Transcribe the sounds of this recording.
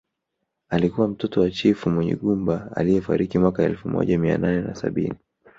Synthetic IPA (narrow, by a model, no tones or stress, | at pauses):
alikuwam̩tɔtɔwat͡ʃifumwɛɲɛ̰ɠumba̰ːlijɛfaɾikimwakaɛlfumɔ̰ʄamia̰nanɛna̰sa̰ɓini